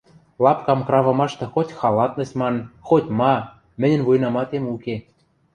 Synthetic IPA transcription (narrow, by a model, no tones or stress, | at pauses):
lɑpkɑmkrɑvɤ̆mɑʃt̪ɤ̆xotʲxɑlɑt̪nɤ̆smɑnxot̪ʲmɑ | mɘ̆nʲɘ̆nvujnɑmɑt̪emuke